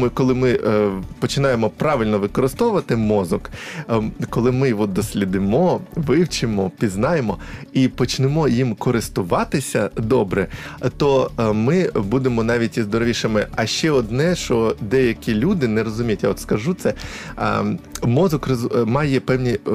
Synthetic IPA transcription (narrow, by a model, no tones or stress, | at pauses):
kɔlˠɪmɪpɔt͡ʃɪnɑjemɔpɾɑʋʲɪlʲnɔʋɪkɔɾɪst̪ɔʋʊʋɐt̪ɪmɔzɔk | kɔlˠɪmɪʋɔt̪̚d̪ɔsʲlʲid̪ɪmɔʋɪwt͡ʃɪmɔpʲiznɑjemɔipɔt͡ʃnemɔjimkɔɾɪst̪ʊʋɑt̪ɪsʲɐd̪ɔbɾɛt̪ɔmɪbud̪emɔnɑʋʲitʲizd̪ɔɾɔʋʲiʃɐmɪɐʃt͡ʃɛɔd̪nɛʃɔd̪ɛjɐkʲilʲud̪ɪnɛɾɔzʊmʲijɐtʲjaɔt̪skɐʒut̪sɛ̰ | mɔzɔkrɔzmɑjɛpɛwnʲi